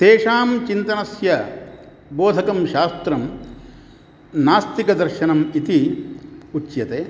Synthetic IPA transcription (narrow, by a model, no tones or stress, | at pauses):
t̪eːʂaːmt͡ʃint̪ɐnɐsjɐ | boːd̪ʱɐkɐmʃaːst̪ɾɐm | naːst̪ikɐd̪ɐɾʃɐnɐmit̪i | ut͡ʃːjɐt̪eː